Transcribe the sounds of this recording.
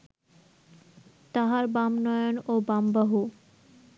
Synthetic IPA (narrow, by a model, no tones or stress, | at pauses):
t̪aɦaɾbamnɔjonobambaɦu